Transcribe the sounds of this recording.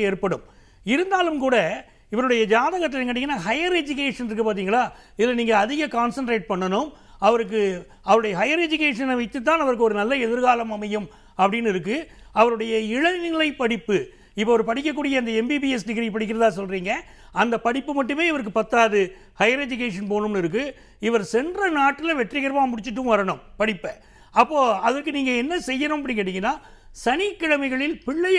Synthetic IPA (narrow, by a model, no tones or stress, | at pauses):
eːɾpɐɽɯm | ɪɾɯnd̪aːlɯmkuːɽɐ | ɪʋɐɾɯɽɐjɐd͡ʒaːðɐɣɐt̪ːɪlːŋɡɐʈːɪŋɡɐnːaːɦɐjɐɾɛd͡ʒɯk̬eːʂɐnɪɾɯk̬ːɯpaːɾt̪̬iːŋɡɐlaː | ɪðɪlːɐniːŋɡɐːðɪɣɐkaːnsɐɳʈɾeːʈ̚pɐɳːɐnɯm | ɐʋɐɾɯk̬ːɯ | ɐʋɐɾɯɽɐjɐɦɐjɐɾɛd͡ʒʊk̬eːʂɐnɐʋɐɪt̪ːɯt̪̬ːaːnɐʋɐɾɯkːɯɔɾɯnɐlːɐɛðɯɾɣaːlɐmɐmɐjɯm | ɐpːɐɽɪnːɪɾɯk̬ːɯɐʋɐɾɯɽɐjɐɪɻɐnɪlɐɪpːɐɽɪpːɯ | ɪpːɐːɐʋɐɾpɐɽɪk̬ːɐkːuːɽɪjɐnd̪ɐɛmbibiɛsɖɪɣɪɾipɐɽɪk̬ːɪɾɐðaːsɔlriːŋɡɐ | ɐnd̪ɐpɐɽɪpːɯmɐʈːɯmeːɪʋɐɾɯk̬ːɯpɐt̪ːaːðɯ | hɐɪɾed͡ʒɪk̬eːʂɐnpoːnɯmnɪɾɯk̬ːɯ | ɪʋɐɾsɛndrɐnaːʈːɪlɐʋɛʈrɪɣɐɾʋãːmʊɽɪt͡ʃːɯʈːɯʋɐɾɐɳɯmpɐɽɪpːɐ | ɐpːoːɐðɐɾkɯniːŋɡɐɛnːɐsɛjːɐnɯmɐp̬ːɐɽɪnŋkeːʈːɪŋɡɪnːaː | sɐnɪkːɐɽɐmɐɪɣɐɭɪlpɪɭːɐ